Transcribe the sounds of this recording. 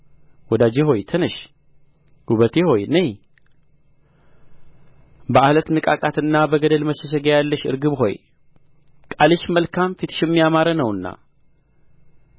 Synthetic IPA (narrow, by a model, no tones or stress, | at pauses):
wɔd̪ad͡ʒeɦo̞jt̪ʰɨnəʃ | ɡ̥uβət̪ʰeho̞jnej | bəalət̪nɨkʼakʼat̪ɨnːabəɡəd̪əlməʃːɛʃ̬ɛɡajalːəʃɨ̰ɾɡɨβɦo̞̰j | kʼalɨʃməlkʰamfit̪ʰɨ̥ʃjɛmːijamaɾənəwɨnːa̰